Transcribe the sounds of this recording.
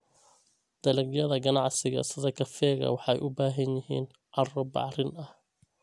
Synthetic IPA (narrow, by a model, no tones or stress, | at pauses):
d̪̥ɐlɐɡjɐðɐɡɐnɑʕsɪɣɐ̰sɪðɐkʰɐfɛːɣɐ̰wɑħɑjʔʊbaːɦɐnjɪɦḭːn | ʕɑrɔbɑ̰ʕrɪnɐh